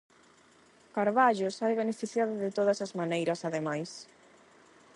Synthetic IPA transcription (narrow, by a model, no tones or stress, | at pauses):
kaɾβaʎʊsajβenefiθjaðʊðɪt̪oðɐsɐzmanejɾɐsaðemajs